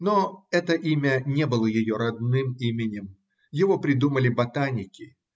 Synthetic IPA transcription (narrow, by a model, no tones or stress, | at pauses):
noɛt̪əʔimʲənʲebɨlˠəjɪjo̞ɾɐd̪nɨmimʲɪnʲɪm | jɪvopɾʲɪd̪uməlʲɪbɐt̪anʲɪkʲɪ